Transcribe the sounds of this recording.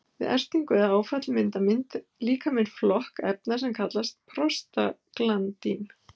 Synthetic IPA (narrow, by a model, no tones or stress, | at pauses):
vɪ̰ðʔɛ̰r̥t̪iŋkɛðaaːwfat̪lmɪnt̪amɪn̥t̪liːkamɪnflɔhkɛ̰p̚nasɛmkʰat̪last̪̚pʰɾɔst̪a̰klant̪in